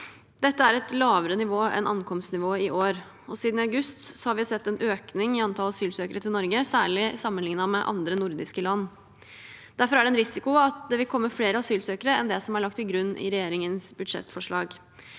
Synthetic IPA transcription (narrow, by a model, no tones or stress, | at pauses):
d̪ɛt̪ːəæɾɛt̪lɑːʋəɾənɪʋoːʔɛ̰nʔɑ̰nkʰɔmst̪nɪʋoːɪʔoːɾ | ɔsiːd̪n̩ɑʉɡʉst̪sɔhɑɾʋɪhɑsɛt̪ːɛnʔøːknɪŋɪɑnt̪ʰɑlɑsyːlsøːkəɾət̪ɪlnɔɾɡəsæːɭɪsɑmːənlɪŋnɑmɛʔɑ̰nd̪ɾənʊɾd̪ɪskəlɑnː | d̪̥æɾfɔɾæɖɛnɾɪsɪkʊɑt̪d̪ɛʋɪlkʰɔmːəfleːɾəɑsyːlsøːkəɾəɛnd̪ɛsɔmæɭɑk̚t̪ɪlɡɾʉnːʔɪ̰ɾɛjeːɾɪŋənsbʉd̪ʂɛ̰t̪fɔʂɭɑːɡ